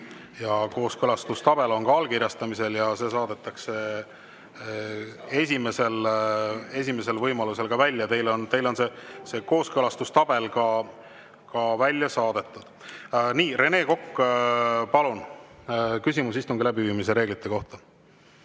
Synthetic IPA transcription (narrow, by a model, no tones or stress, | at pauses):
jɑko̞ːskɤlɑst̪ust̪ɑb̥e̞lo̞nkɑɑlkirʲjɑst̪ɑmise̞ljɑse̞ːsɑːd̪̥e̞t̪ːˑɑkse | e̞sʲime̞se̞l | e̞s̬ʲime̞s̬e̞lvɤjmɑluse̞lɡɑvælʲːjɑt̪e̞jlo̞nt̪e̞jlo̞nse̞se̞ːko̞ːskɤlɑst̪ust̪ɑb̥e̞lkɑ | kɑvælʲːjɑsɑːd̪̥e̞t̪ˑːud̪̥niːre̞ne̞ːko̞kːpɑlun | kysʲimusist̪uŋɡilæbiviːmis̬e̞ɾe̞ːɡlit̪ːˑe̞ko̞ht̪ɑ